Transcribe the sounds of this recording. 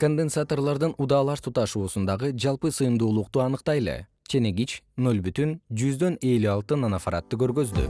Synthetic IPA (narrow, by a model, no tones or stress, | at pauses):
ko̞nd̪ensat̪o̞rlˠɑɾd̪ɯnud̪ɑːlˠɑʃt̪ʰut̪ɑʃuːsund̪ɑʁɯd͡ʒɑlˠpɯsɯjɯmd̪uːlˠuq̚t̪uɑnɯqt̪ɑjlˠḛ | t͡ʃʰe̞neɡit͡ʃno̞lbyt̪ynd͡ʒyzd̪ø̞ne̞lyɑlˠt̪ɯnanafaɾa̰t̪ːɯkø̞ɾɡø̞zd̪y̰